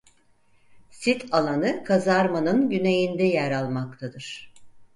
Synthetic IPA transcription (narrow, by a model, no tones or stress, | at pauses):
sit̪ʰalˠanɯkʰazaɾmanɯnɟyne̞jind̪ɛjæɾalˠmak̚t̪ʰad̪ɯɾ̥